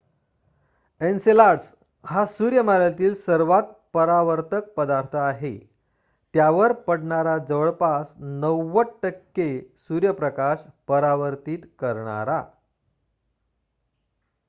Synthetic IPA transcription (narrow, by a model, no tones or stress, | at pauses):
ensilaɽs | hasuɾjəmaɾlat̪iːlsəɾʋat̪̚pəɾaʋəɾt̪ək̚pəd̪aɾt̪ʰəaɦe | t̪jaʋəɾpəɽɳaɾad͡zəʋəɭpasnəwːəʈːəkːesuɾjəpɾəkaɕpəɾaʋəɾt̪iːt̪kəɾɳa̰ɾa̰